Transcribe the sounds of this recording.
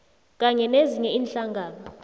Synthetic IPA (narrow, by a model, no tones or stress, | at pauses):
kʼaɲɛneziɲɛiːnɬaŋɡʱaːnɔ